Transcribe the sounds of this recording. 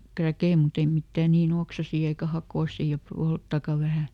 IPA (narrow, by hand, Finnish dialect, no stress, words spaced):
krækei mut ei mitːæˑ niːn oksɑsiː eikæ hɑkoˑsiˑ jɑ poltːɑkɑ ʋæhæ